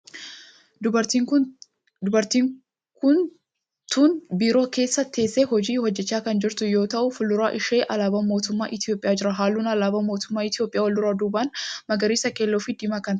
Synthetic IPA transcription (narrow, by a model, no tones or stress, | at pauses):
ʊɐɾiːŋk | ʊbɐɾt̪iːŋ | kʊn | t̪uːnbiːɾo̞ːke̞ːsːɐt̪ʰːe̞ːsːehɔd͡ʒiːhɔd͡ʒːɛt͡ʃːaːkɐnd͡ʒɪɾt̪ʊjo̞ːt̪ɐʔʊfʊlːʊɾaːʔɪʃe̞ːʔɐlaːbɐmo̞ːt̪ʊmːa̰ːʔɪt̪ɪjo̞ːpʼɪjaːd͡ʒɪɾɐɦaːlːuːnɐlaːbɐmo̞ːt̪ʊmːaːɪt̪ɪjoːpʼːɪjaːwɐld̪ʊɾaːd̪uːbanmɐɡɐɾiːsɐke̞ːlːoːfɪd̪ɪmaːkɐnt̪